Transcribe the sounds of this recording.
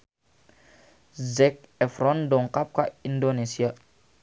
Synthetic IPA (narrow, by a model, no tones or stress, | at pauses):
zɛk̚ɛfɾɔndoŋkap̚kaindonesia